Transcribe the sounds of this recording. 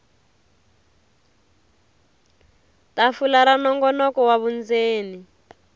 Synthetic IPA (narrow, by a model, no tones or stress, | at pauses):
tafulaɾanɔŋɡɔnɔkɔwaβund͡zeːni